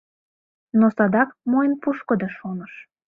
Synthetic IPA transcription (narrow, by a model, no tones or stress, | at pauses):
nosɑd̪ɑkmojənpuʃkɤ̆d̪ɤʃonəʃ